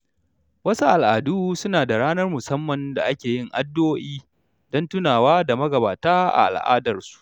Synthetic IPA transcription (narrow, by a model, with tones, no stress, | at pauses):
wɐ˦su˦ʔa˨lʔa˨duː˦sʊ˦naː˨da˨ɽaː˦nɐ˦rmʊ˨sɐ˦mːɐ˨nda̰˨ʔa˦kʲeː˨jɪ˦˨ŋʔa˦dːoː˦ʔiː˦ | dɔ˦ntʊ˦naː˨waː˦da˨mɐ˦ɡɐ˨ba̰ː˨taː˦ʔa̰˨ʔa̰˨lʔa̰ː˦dɐ˨rsu̥˨ʔʔ